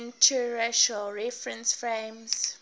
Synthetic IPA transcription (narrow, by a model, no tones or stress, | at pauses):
ntʰəɹaʃəlɹɛfɹə̃nsfɹẽmz